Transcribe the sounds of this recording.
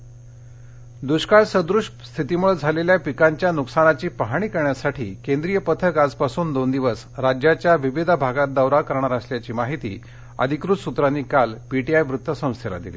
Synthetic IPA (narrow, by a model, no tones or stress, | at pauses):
d̪uɕkaɭsəd̪ɾuʂʈst̪ʰit̪imuɭəd͡zʱaleljapikaɲt͡ɕjanuksaɽat͡ɕiːpəɦaɽ̃iːkəɾɳjasaʈʰḭːkẽnd̪ɾijəpət̪ʰəkad͡zpasuːnd̪ond̪iʋəs | ɾad͡ʑjat͡ɕjaʋiʋid̪ʱbʱaɡat̪̚d̪əwɾakəɾɳaɾəsljat͡ɕiːmaɦit̪ḭː | ə̰d̪ʱikɾut̪sut̪ɾaniːkalpiʈiajʋɾut̪ʰːʋəsə̃w̃st̪ʰela̰d̪ḭlḭː